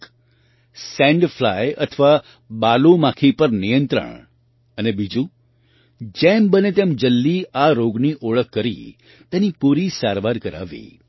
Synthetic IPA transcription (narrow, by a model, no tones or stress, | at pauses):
sɛ̃ɳɖfʰlajə̰t̪ʰʋa | balumãkʰipəɾnijənt̪ɾə̰ɳ̃ | ənebid͡ʒũ | d͡ʒembənet̪emd͡ʒəlːiaɾoɡniʔoɭəkʰːəɾḭ | t̪enipuɾisaɾʋaɾkəɾa̰ʋḭ